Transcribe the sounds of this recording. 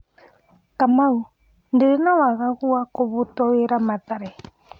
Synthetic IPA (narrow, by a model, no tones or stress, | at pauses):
kamaɣu | ndiɾinawaɣaɣuwakɔβutɔwiɾamat̪aɾɛ